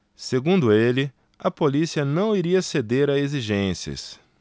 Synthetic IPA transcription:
seɡũnd̪ʊelɪ | ɐpolisiɐnɐ̃w̃iɾiɐsed̪eɾɐeziʒẽsiɐ̰s

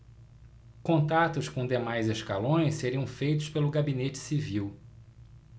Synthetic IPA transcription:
kõnt̪at̪ʊskõd̪emajzeʃkalõj̃sseɾiɐ̃w̃fejt̪ʊspelʊɡabinet͡ʃɪ̥siviw

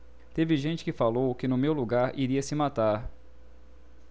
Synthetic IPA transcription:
t̪evɪʒẽt͡ʃɪ̥kɪfalowkɪnʊmewluɡaɾiɾiɐsɪmat̪aɾ

